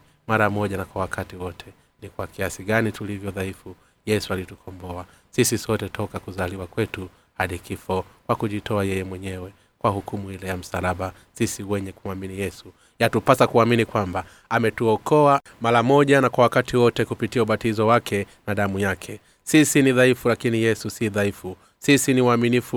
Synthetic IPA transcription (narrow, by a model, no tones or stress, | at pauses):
maɾamɔʄanakwawakʰatiwɔtʰɛ | nikwakiasiɠanitulivjɔðaifu | jɛsualitukʰɔmbɔa | sisisɔtɛtʰɔkakuzaliwakwɛtu | haɗikifɔkwakuʄitɔajɛjɛmwɛɲɛwɛ | kwahukumuhilɛjam̩salaɓa | sisiwɛɲɛkuaminijɛsu | jatupasakuaminikwamba | amɛtuɔkɔa | maɾamɔʄanakwawakatʰiwɔtɛkupitiauɓatizɔwakʰɛmaɗamujakʰɛ | sisiniðaifulakinijɛsusiðaifu | sisiniwaminifu